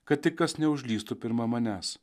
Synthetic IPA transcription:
kɐt̪̚ʲtʲɪkkɐsnʲɛʊʒʲlʲiːst̪upʲɪɾmɐmɐnʲæːs

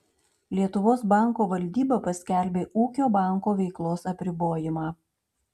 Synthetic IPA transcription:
lʲiɛt̪ʊʋoːs̬bɑˑŋˑkoːʋɐlʲd̪ʲiːbɐpɐsʲkʲɛˑlʲbʲeːʔuːkʲoːbɑˑŋˑkoːʋʲɛɪklˠoːsɐpʲɾʲɪboːjɪmɑː

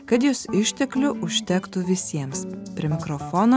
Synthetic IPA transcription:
kɐt̪jʊsɪʃʲt̪ʲɛklʲʊʔʊʃʲt̪ʲɛkt̪ʊʋʲɪsʲiɛmspʲɾʲiɛmʲɪkɾofoːno

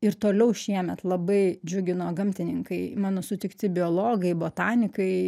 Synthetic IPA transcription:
ɪɾt̪oːlʲɛʊʃʲiɛmʲɛt̪lˠɐbɐɪd͡ʒʲʊɡʲɪnoːɡɐmʲt̪ʲɪnʲɪŋkɐɪmɑːnoːsʊt̪ʲɪkt̪ʲɪbʲɪoːlˠoːɡɐɪboːt̪ɑːnʲɪkɐɪ

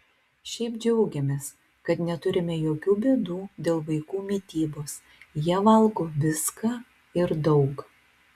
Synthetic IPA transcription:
ʃʲɛɪpd͡ʒʲɛʊɡʲɛmʲeːs | kɐt̪nʲɛt̪ʊɾʲɪmʲɛjoːkʲuːbʲeːd̪uːd̪ʲeːlˠʋɐɪkuːmʲiːt̪ʲiːboːs | jiɛʋɐlˠɡoːʋʲɪskɑː | ɪɾd̪ɒʊk

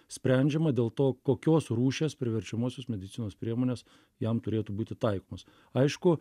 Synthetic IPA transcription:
sʲpʲɾʲɛnʲd͡ʒʲɛmɐd̪ʲeːlˠt̪oːkoːkʲoːsruːʃʲeːspʲɾʲɪʋʲɛɾʲt͡ʃʲɛmoːsʲoːsmʲɛd̪ʲɪt̪sʲɪnoːspʲɾʲiɛmoːnʲeːs | jɛmt̪ʊɾʲeːt̪ubuːt̪ʲɪt̪ɐɪkoːmɐs | ɐɪʃkʊ

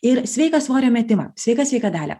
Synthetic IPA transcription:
ɪɾsʲʋʲɛɪkɐsʋoːɾʲoːmʲɛt̪ʲɪmɐ̰sʲɛɪkɐsʲɛɪkɐd̪ʲæːlʲɛ̰ː

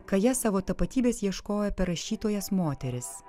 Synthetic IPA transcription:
kɐjɛsɑːʋoːt̪ɐpɐt̪ʲiːbʲeːsjiɛʃkoːjɛpʲɛɾɐʃʲiːt̪oːjɛsmoːt̪ʲɛɾʲɪs

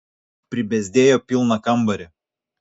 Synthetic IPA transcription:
pʲɾʲɪbʲɛzʲd̪ʲeːjoːpʲɪlˠnɐkɐmˑbɐɾʲɛ

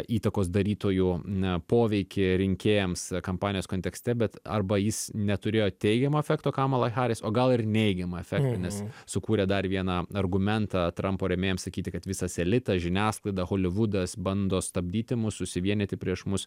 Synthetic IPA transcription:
iːt̪ɐkoːsd̪ɐɾʲiːt̪oːjupoːʋʲɛɪkʲɪɾʲɪŋʲkʲeːjɛmskɐmpɑːnʲɪjoːskoːnt̪ʲɛksʲt̪ʲɛbʲɛt̪ɐ̰rbɐjɪsnʲɛt̪ʊɾʲeːjoːt̪ʲɛɪɡʲɛmoːɛfʲæːkt̪oːkɑːmɐlˠɐɪxɑːɾʲesoːɡɐlˠɪrnʲɛɪɡʲɛmɐɛfʲæːkt̪ɐnʲɛssʊkuːɾʲɛd̪ɐrʋʲiɛnɑɐrɡʊmʲɛnt̪ɑt̪ɾɐmpoːɾʲɛmʲeːjɛmsɐkʲiːt̪ʲɪkɐt̪ʋʲɪsɐsʲɛlʲɪt̪ɐʒʲɪnʲæːsklˠɐɪd̪ɐxoːlʲɪʋʊd̪ɐsbɐnd̪oːst̪ɐbʲd̪ʲiːt̪ʲɪmʊsʊʃʲsʲɪʋʲiɛnʲɪt̪ʲɪpʲɾʲiɛʃmʊs

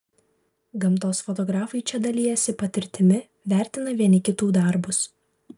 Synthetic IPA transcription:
ɡɐmˑt̪oːsfɔt̪ɔɡɾɑːfɐɪt͡ʃʲɛd̪ɐlʲiːjɛsʲɪpɐt̪ʲɪɾʲt̪ʲɪmʲɪ | ʋʲæˑɾʲt̪ʲɪnɐʋʲiɛnʲɪkʲɪt̪uːd̪ɐˑɾbʊs

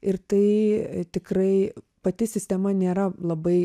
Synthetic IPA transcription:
ɪɾt̪ɐɪt̪ʲɪkrɐɪ | pɐt̪ʲɪsʲɪsʲt̪ʲɛmɐnʲeːɾɐlˠɐbɐɪ

